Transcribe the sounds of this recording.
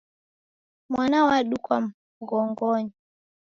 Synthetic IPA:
mwanawaɗukwa̰m | ɣɔŋɡɔɲi

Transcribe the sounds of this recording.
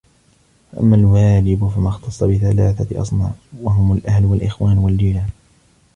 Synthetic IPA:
faʔa̰mːalwaːd͡ʒɪbfamaxt̪ɑsˤːɑbɪθalaːθaʔɑ̰sˤnɑ̰ʕwaɦʊmalʔahlwalʔɪxwaːnwald͡ʒiːla

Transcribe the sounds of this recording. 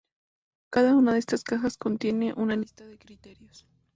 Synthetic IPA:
kaðaunaðeest̪askaxaskont̪je̞ne̞ʔunalist̪aðekɾit̪e̞ɾjos

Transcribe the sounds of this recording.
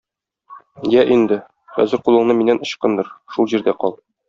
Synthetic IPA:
jæʔind̪ɘ | χæ̰zɘɾqulˠɤ̆ɴnɤminænŏɕqɤnd̪ɤɾʃulˠʑiɾd̪æqɒlˠ

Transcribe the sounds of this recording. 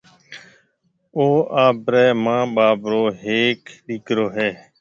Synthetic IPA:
oːʔaːbɾɛːmãːɓaːbɾoːɦeːkɗɪkɾoːɦɛː

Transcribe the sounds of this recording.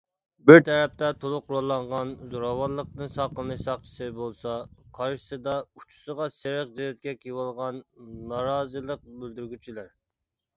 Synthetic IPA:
bɪɾt̪ʰɛɾɛp̚t̪ʰɛt̪ʰolˠʊqɾolˠːɑɴʁɑnzoɾɑwɑɾlˠːəq̚d̪ɨnsɑqəlˠnɨʃsɑχt͡ʃʰi̥sɨbolˠsɑqʰɑɾʃɨ̥sɨd̪ɑut͡ʃʰu̥səʁɑsɪɾɪqd͡ʒelɛt̪̚kʲɛkʲʰiwɑlˠʁɑnːɑɾɑːzɨlˠəq̚bøld̪yɾɡʲyt͡ʃʰilæɾ

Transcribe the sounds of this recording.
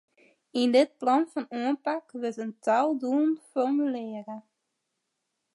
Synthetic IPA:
ɪndɪt̚plɑnfɑnuənpɑkʋətəntalˠduənfɔrmylɪːrə

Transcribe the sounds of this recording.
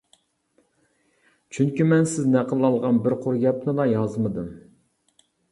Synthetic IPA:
t͡ʃʰyŋkʲimɛnsɪznɛqʰəlˠːɑlˠʁɑnbɪɾqʰoɾɡʲɛp̚nɨlˠɑjɑzmɨd̪ɨm

